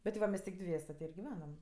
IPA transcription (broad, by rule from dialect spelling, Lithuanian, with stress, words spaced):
ˈbʲɛt ʋɐ ˈmʲɛsʲ tʲɪk ˈdʲʋʲiɛsʲɛ tʲɪ ɪr ɡʲɪˈʋʲæːnɐm